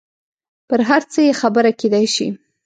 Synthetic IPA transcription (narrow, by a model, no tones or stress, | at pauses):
pəɾɦaɾt͡səjexabəɾaked̪ajʃḭ